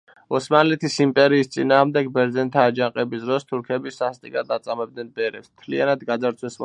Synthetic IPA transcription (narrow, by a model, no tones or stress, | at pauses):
ɔsmanlɛt̪ʰisimpʼɛɾiːst̪sʼinaːʁmd̪ɛɡbɛɾd̪zɛnt̪ʰaːd͡ʒaqʼɛbisd̪ɾɔst̪ʰuɾkʰɛbisast̪ʼikʼad̪at̪sʼamɛb̚d̪nɛnbɛɾɛpsmt̪ʰlianad̪ɡad̪zaɾt̪sʰwɛsm